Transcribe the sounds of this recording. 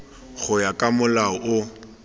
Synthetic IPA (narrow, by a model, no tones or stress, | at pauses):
ɣʊjakʼamʊlaɔʔʊ